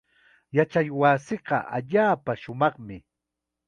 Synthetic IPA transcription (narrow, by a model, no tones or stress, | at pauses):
jat͡ʃajwaːsɪɢɑ̰ʔa̰ʎaːpaʃʊmɑχmɪ